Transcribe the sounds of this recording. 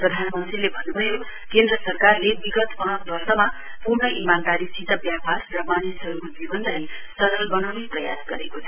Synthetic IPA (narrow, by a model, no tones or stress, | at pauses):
prʌd̪ʱanmʌnt̪rilebʱʌnːubʱʌjo | kend̪rʌsʌrkarlebiɡʌt̪pãkbʱʌrsʌma | puɾnʌʔimand̪aɾisit̪ʌbjaparːʌmanjesɦʌɾukod͡zibʌnlaj | sʌɾʌlbʌnawneprʌja̰sɡʌ̰ɾekot͡sʰʌ